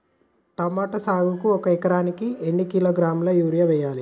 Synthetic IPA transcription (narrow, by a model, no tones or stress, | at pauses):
ʈɐmaːʈɐsaːɡukuɔkɐikɐɾaːnikienːikiloːɡɾaːmlɐjuːɾijɐʋɛːjaːli